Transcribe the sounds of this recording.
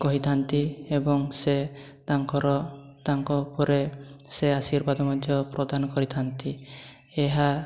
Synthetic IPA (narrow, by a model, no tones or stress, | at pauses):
kɔɦit̪ʰant̪iebɔŋse | t̪aŋkɔɾɔt̪aŋkɔpɔɾeseasiɾbad̪ɔmad̪ʱjɔpɾɔd̪anɔkɔɾit̪ʰant̪i | eɦa